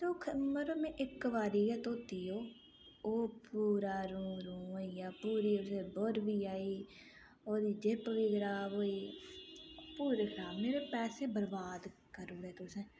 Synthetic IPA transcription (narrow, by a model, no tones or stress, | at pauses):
t̪oːkʰməəmɛ̃ːʔɪkːəʋaːɾiːɡɛːt̪oːt̪iːɦoː | oːpuːɾaːɾũːɾũːijaːpuːɾiːʊseːboɾbiːaːiː | oːɾiːd͡ʒɪpʋiːɡəɾaːboːiː | puːɾekʰɾaːbmeːɾeːpɛːseːbəɾbaːd̪kəɾuːɛːt̪ʊsẽː